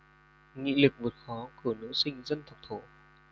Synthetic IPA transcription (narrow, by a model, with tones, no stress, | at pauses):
ŋḭ˧˨lɨ˨˩k̚vo˨˩t̚xɔ˨˦ku˧˩əno̰˧˥sï˧ŋ̟zə˧nt̪ʰə˨˩w̚ŋ͡m̚t̪ʰo˧˩